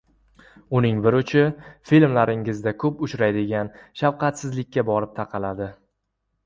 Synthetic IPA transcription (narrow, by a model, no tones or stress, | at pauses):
ʊnɪŋbɪɾʊt͡ʃʰɪfilmlaɾɪŋɪzd̪akʰɵpʊt͡ʃɾajd̪ɪɡʲanʃawqʰɑt̪sɪzlɪkʲːabɒɾɪp̚t̪ʰaqʰɑlad̪ɪ